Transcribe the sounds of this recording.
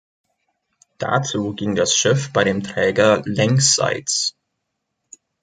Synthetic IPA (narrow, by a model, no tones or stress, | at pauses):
d̥a̰t͡suːɡɪŋdasʃɪfb̥aɪɾeːmtʁ̥ɛːɡɐlɛŋsz̥a̰ɪt͡s